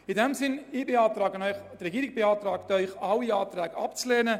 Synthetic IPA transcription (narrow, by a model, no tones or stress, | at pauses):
idɛmsɪnibeɑːt̪ɾaːɡənœʏχt̪rɛɡiːɾɪɡ̚b̥eɑːt̪ɾaːkt̪œʏχɑlːiaːt̪ɾɛːɡ̥əɑ̰pt͡slɛːnə